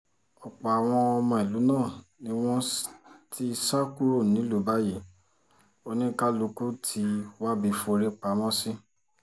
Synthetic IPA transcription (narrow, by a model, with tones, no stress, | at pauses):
ɔ˨k͡pa˨a˨w̃ɔ̃˧ɔ˧mɔ̃˧i˨lu˨˦nãː˦˨nĩ˦w̃ɔ̃˦ti˦˧sa˦ku˦ɾo˦˨nĩ˨˦lu˨˦ba˦je˦˨ | o˧nĩ˦ka˦lu˧ku˦tʰi˧˦wa˦bi˧fo˧ɾe˦k͡pa˨˦mɔ̃˦si˦